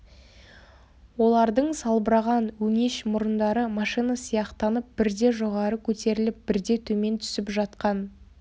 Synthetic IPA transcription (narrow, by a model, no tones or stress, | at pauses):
wo̞lˠɑɾd̪əɴsɑlˠbəɾɑʁɑnwɵŋe̞ʃmʊɾənd̪ɑɾəmɑʃijnasijɑqt̪ɑnəp̚bɪɾd̪e̞ʒo̞ʁɑɾəkʲʰɵt̪e̞ɾɪlɪp̚b̥ɪɾd̪e̞t̪ʰɵme̞nt̪ʰʏ̥sɪpʒɑt̪qɑn